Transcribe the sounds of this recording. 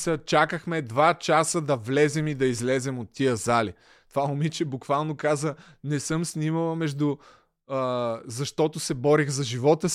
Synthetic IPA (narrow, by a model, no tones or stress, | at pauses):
sət͡ʃakəxmɛd̪vat͡ʃasəd̪ɐvlɛzɛmid̪ɐizlɛzɛmot̪ːiəzali | t̪ovaʊmit͡ʃɛbʊkvalˠnokazə | nɛsɤmsnʲiməlˠɐmɛʒd̪ʊ | zɐʃt̪ɔt̪ʊsɛbɔɾixzɐʒivɔt̪ə